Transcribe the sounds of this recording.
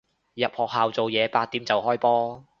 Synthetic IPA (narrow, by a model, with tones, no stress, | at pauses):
jɐ˨p̚hɔː˨k̚haː˨wt͡so˨wjɛː˨˧paː˧t̚t̪iː˨˥mt͡sɐ˨whɔː˥jpɔː˥